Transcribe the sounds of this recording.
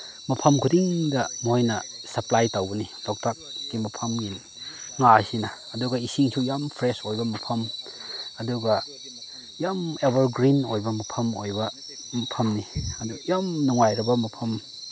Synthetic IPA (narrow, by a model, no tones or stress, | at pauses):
mɐpʰɐmkʰudiŋdɐmojnɐsɐplajtawbɐnilok̚tʰak̚ːimɐpʰɐmɡin | ŋasinɐːduɡɐisiŋsujampʰɾesojbɐmɐpʰɐm | ɐduɡɐ | jamebɐɾɡɾinojbɐmɐpʰɐmojbɐ | mɐpʰɐmniɐdujamnuŋajɾɐbɐmɐpʰɐm